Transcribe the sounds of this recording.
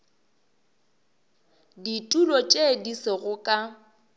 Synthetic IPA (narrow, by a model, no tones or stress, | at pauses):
ditʼulɔt͡ʃʼediseɣʊkʼa